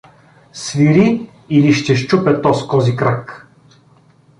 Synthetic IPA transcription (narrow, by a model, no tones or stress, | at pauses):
sviɾi | iliʃt̪ɛʃt͡ʃupɛt̪ɔskɔzikɾak